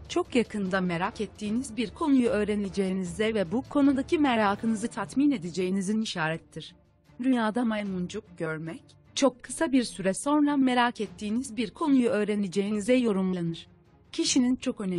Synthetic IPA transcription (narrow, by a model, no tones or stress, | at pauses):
t͡ʃʰo̞kjakʰɯnd̪ame̞ɾacɛt̪ʰːiːnizbiɾkʰo̞nujuø̞ːɾened͡ʒejinizd̪ɛvɛbukʰo̞nud̪acʰimɛɾaːkʰɯnɯzɯt̪ʰat̪mine̞d̪ed͡ʒe̞jiniziniʃaːɾɛt̪ʰːiɾ̥ | d̪ynjaːd̪amamund͡ʒuk̚ɟ̥øɾmɛc | t͡ʃʰo̞kʰːɯ̥sabiɾsyɾɛso̞nɾame̞ɾacɛt̪ʰːiːnizbiɾkʰo̞nujuø̞ːɾened͡ʒejinizɛjo̞ɾumlˠlˠanɯɾ̥ | cʰiʃinint͡ʃʰo̞kø̞nɛ